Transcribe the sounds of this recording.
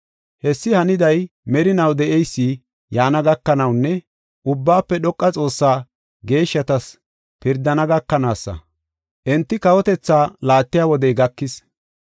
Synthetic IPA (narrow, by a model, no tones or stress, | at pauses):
hɛsːɪhɐnɪd̪ɐjmɛɾɪnɐwd̪ɛʔɛjsːi | jaːnɐɡɐkːɐnɐwnːɛ | ʔʊbːaːpːɛɗɔkʼːɐt͡sʼo̞ːsːaː | ɡe̞ːʃːɐt̪ɐs | pɪɾd̪ɐnɐɡɐkːɐnaːsːɐ̰ | ʔɛnt̪ːɪkɐwɔt̪ɛt͡sːaːlaːt̪ːɪjaːwɔd̪ɛjɡɐkːɪs